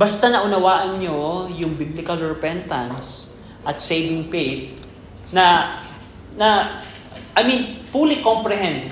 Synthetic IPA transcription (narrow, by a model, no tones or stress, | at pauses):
bɐst̪anɐʔʊnɐwaːʔɐnɲojʊŋbiblɪkɐlɹɛpɛnt̪ɐ̃ns | ʔɐt̪sejvɪŋpejt̚ | nɐ | nɐ | ʔɐjminpulɪkompɾɛɦɛ̃nd̪